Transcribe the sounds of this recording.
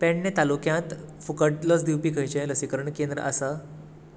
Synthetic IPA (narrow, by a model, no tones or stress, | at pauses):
pɛ̃ɳnet̪alukjãt̪fukəʈləsd̪iwpiːkʰə̃jt͡ɕẽləsikəɾəɳkend̪ɾə̰ʔasa